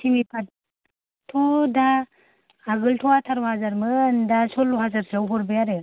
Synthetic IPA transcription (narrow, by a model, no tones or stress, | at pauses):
sʰimipʰat̚ | tʰɔdaː | ɡɯltʰɔatʰaɾwhazaɾmɯndasɔlɦazaɾsawɦɔɾbajaɾe